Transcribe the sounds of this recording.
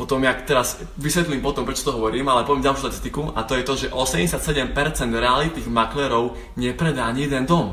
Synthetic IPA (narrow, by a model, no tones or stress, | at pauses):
pɔt̪ɔmjakt̪ɛɾaz | ʋisʋɛt̪liːmpɔt̪ɔmpɾɛt͡ʃɔ̥t̪ɔɦɔʋɔɾiːmalɛpɔʋjɛmɟalˠʃuʃt̪at̪ist̪ikuat̪ɔjɛt̪ɔʒɛʔɔsɛmɲɟɛsɪat̪sɛɟɛmpɛɾt͡sɛnd̪ɾɛalit̪niːɣmaklɛɾɔʊ | ɲɛpɾɛd̪aɲiɛd̪ɛnd̪ɔm